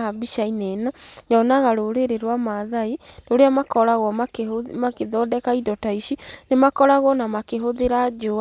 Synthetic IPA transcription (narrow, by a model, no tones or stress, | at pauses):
abiʃainɛnajɔnaɣaɾoɾeɾeɾwamaðainoɾeamakɔɾaɣwɔmakmakeðɔdɛkaidɔtaiʃinemakɔɾaɣwɔnamakeɦoðeɾad͡ʒo